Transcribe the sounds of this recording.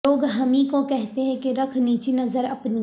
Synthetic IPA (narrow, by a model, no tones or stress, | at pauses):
oːɡɦɐmĩkokɛɦt̪eɦɛ̃keɾɐkʰniːt͡ʃinɐzəɾɐpni